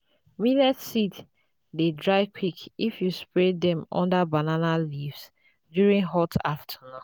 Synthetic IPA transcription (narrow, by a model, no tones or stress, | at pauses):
wilɛtsit | dedɹaɪkʰwikifjuspɹɛdɛ̃mɔ̰̃ndabananalivs | djuɹĩŋɦɔtaftʰanũ